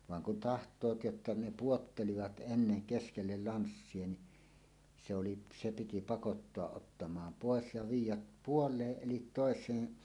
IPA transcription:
ʋɑŋ kun tɑhtˑoːt jotːɑ ne puotːeliʋɑt ʔenːeŋ keskelːel lɑnsːie ni se oli se piti pɑkotːoɑʔ ʔotːɑmɑːm poˑes jɑ ʋiːjˑæp puolˑeːʔ ʔelit toˑesˑeːn

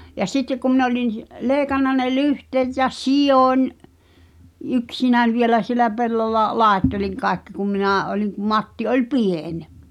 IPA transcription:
jɑ sitːek kum min olʲin leːĭkɑnːɑ ne lyhteːt jɑ sijonʲ yksinæn̞ ʋielæ sielæ pelːolːɑ lɑˑetːeliŋ kɑːĕkːi kum minæˑ ʔoliŋ kum mɑtːi olʲ pien

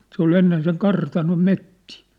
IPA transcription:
se ol enːen seŋ kɑrtɑnom metːiː

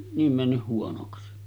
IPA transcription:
niːm mænːyh̆ huonoksi

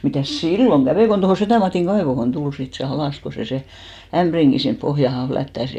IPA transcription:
mitæˑs silːoŋ ɡ̊æʋeˑ kon tohoˑ setæˑ mɑtiˑŋ ɡ̊ɑeʋohon tul sit se ɑlɑˑs ko se se æmb̥riŋɡ̊i sinp pohjɑhɑn̞ flætːæs

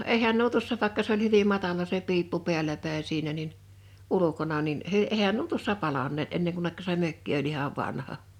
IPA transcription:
eihæn nuo tuosːɑ ʋɑˑĕkːɑ s olʲ hyʋim̆ mɑtɑlɑ se piːpːu pe̝ælˑæ pæˑin̞ siːnæ nin ulukonɑ nin ehæn nuo tuosːɑ pɑlɑnˑeːt enːeŋ kunːekːɑ se møkːi olʲ ihɑʋ ʋɑnhɑ

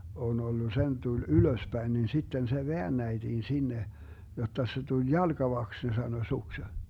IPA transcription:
on olːu sen tul yløspæin nin sitːen se ʋeænːæid̥iːn sinːe jotːɑ se tulʲ jɑlɡ̊ɑʋɑks ne sɑno sukse

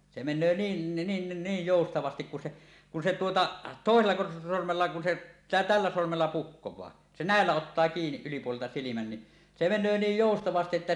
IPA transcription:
se menˑøː niːn nin niːj joˑustɑʋɑstik kun se kun se tuotɑ toˑeselːɑ sormelːɑ kun se tælːæ sormelːɑ pukːowˑɑː se næˑelːæ otːɑː kiːniʔ ʔylipuoleltɑ silimæn ni se menˑøː niːj joˑustɑʋɑstiʔ ʔetːæ

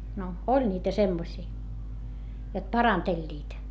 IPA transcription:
no olʲ niːtæ semːosiː jot pɑrɑntelʲːiːt

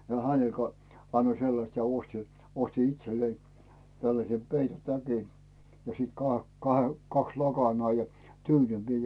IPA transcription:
jɑ hæne kɑ ɑnːoi selːɑst jɑ osti osti itselːei tælːæse peitotæki jɑ siːt kɑhe kɑ kɑks lɑkɑnɑː jɑ tyːnyŋkiː mie

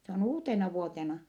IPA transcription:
se on uːtenɑʋuotenɑ

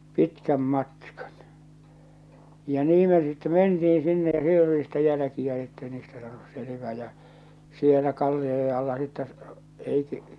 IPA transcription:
pitkæm mɑtkɑ̥n̥ jɑ niː me sitːe mentiin̞ sinːe jɑ siel oli sitːe jælæ̆kiæ etːei niːstæ sɑːnus selĕʋæː jɑ sielæ kɑlːioje ɑlːɑ sitːæ ei

